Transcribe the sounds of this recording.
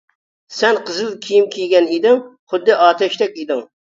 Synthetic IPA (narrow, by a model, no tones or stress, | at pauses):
sɛnqʰəzɨlˠkʲʰijimkʲʰijɡʲɛnid̪ɪŋχʊd̪ːɨʔɑːt̪ʰɛʃt̪ɛkʲid̪ɪŋ